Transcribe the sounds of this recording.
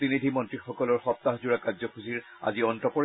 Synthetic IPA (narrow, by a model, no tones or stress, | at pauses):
tinid̪ʱimɔntɹixɔkɔlɔɹxɔp̚t̪aɦzuɹakazɔkʰuziɹ | a̰ziɔntɔpɔɹ